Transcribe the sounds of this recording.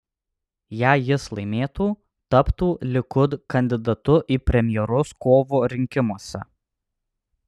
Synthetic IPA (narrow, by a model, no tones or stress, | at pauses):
jæːjɪslˠɐɪmʲeːt̪uː | t̪ɐpt̪uːlʲɪkʊd̪kɐnʲd̪ʲɪd̪ɐt̪ʊʔiːpʲɾʲɛmʲjɛɾʊskoːʋoːɾʲɪŋʲkʲɪmuɔsʲɛ̰